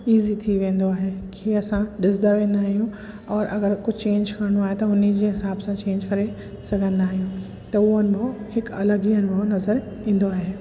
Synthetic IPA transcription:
iːzit̪ʰiʋẽːnd̪oaːɦekʰeːɐsãɗɪsd̪aʋẽːn̆d̪aːɦijũ | ɔːɾʔɐ̰ɡəɾkʊd͡ʑʱt͡ɕẽːɲd͡ʑkɐɾɪɽ̃oaːɦet̪ɐɦʊnid͡ʑeːɦɪsaːbsãt͡ɕẽːɲd͡ʑkɐɾe | sɐɡʱə̃nd̪aːɦijũ | t̪ɐuənɪ̆bʱohɪkɐləɡijənɪ̆bʱonɐzəɾ | ĩːn̆d̪oaːɦeː

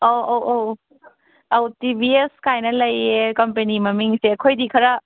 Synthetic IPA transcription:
oowʔow | awtibieskajnɐlɐjekɐmpenimɐmiŋsekʰojdikʰɐɾa

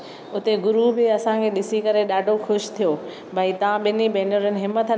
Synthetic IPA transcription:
ʊt̪eɡʊɾubɪɐsãkʰeːɗɪsikɐɾeɗaːɖʱoxʊʃt̪ʰijoː | bʱait̪ɐʋãɓɪnibʱẽːnoɾənɪɦɪmət̪

